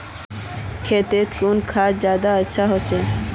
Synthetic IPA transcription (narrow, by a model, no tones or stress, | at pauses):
kʰet̪et̪kunkʰad͡ʒjaːd̪aəːʃʰaɦot͡ʃʰe